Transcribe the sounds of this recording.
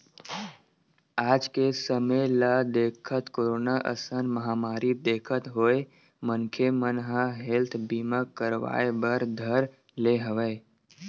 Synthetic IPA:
aːd͡ʒkesəmelad̪eːkʰət̪koːɾoːnaʔə̰sənməɦaːmaːɾid̪eːkʰət̪ɦoːe | mənkʰemənɦaɦɛelt̪ʰbiːməkːəɾʋa̰ːebəɾd̪ʱəɾ | leɦəʋə

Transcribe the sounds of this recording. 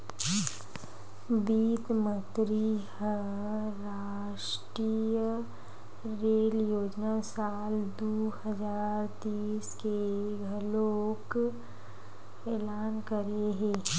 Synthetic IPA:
biːt̪mət̪ɾihə | ɾaː | ʃʈɾijə | ɾeːljoːd͡ʒnasaːld̪ohəzaːɾt̪iːskeɡʱəloːk | eːlaːnkəɾeɦẽː

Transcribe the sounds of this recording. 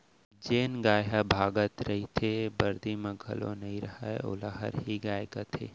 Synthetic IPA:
d͡ʒeːnɡaːɦabʱaːɡət̪ɾɐɦit̪ʰebɐɾd̪ʱimẽɡʱɐ̰lo̰nɐɦĩɾɐhaeo̰laɦə̰ɾɦiɡaːjkat̪ʰḛː

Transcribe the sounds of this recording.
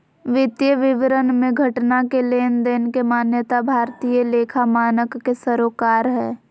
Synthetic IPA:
ʋɪt̪jəʋɪʋɾənmẽɡʱəʈnakeleːnd̪eːnkemaːnjət̪abʱaːɾt̪iːjəleːkʰamaːnəkːesəɾoːkaːɾɦɛː

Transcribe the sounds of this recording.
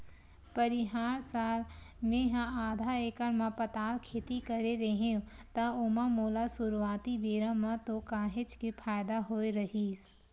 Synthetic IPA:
pɐɾiɦaːɾsaːlmẽɦãaːd̪ʱaeːkənmãpɐt̪aːlkʰeːt̪ikɐɾeɾeɦẽũt̪ɐʊmãmoːlasʊɾuaːt̪ibeːɾãmãt̪okãːɦɪt͡ʃkepʰaːjd̪aɦoːeɾɐɦiːs

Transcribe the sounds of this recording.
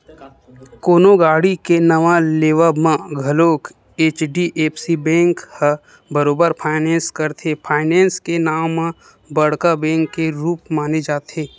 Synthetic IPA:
koːnoɡaːɽikenəʋaleːʋamãɡʱɐloːk | eːt͡ʃɖiʔeːpsibɛ̃ːŋkhə | bəɾoːbəɾpʰaːɪnɛ̃ːnskəɾt̪ʰepʰaːɪnɛ̃ːnskenaːmmã | bəɽkabɛ̃ːŋkːeɾuːpmaːned͡ʒaːt̪eː

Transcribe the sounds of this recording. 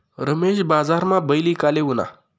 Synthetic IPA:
ɾəmeɕbad͡zaɾmãbəjlikaleɦuna̰

